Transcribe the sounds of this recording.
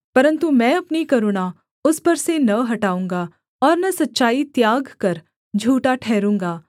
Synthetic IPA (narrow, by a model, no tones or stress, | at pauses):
pɐɾə̃nt̪umɛ̃ːɐpnikɐɾoːɽ̃a | ʊspɐɾsenɐɦɐʈaːũːŋɡa | ɔːɾnɐsɐtːʃaːit̪jaːɡkɐɾ | d͡ʒʱuːʈaʈʰɛːɾũːŋ̆ɡaː